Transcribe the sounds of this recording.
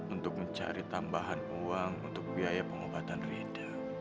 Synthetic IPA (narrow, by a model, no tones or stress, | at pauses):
unt̪ʊk̚məɲt͡ʃa̰ɾit̪ambaɦanuaŋṵnt̪ʊk̚biajapəŋobat̪anreda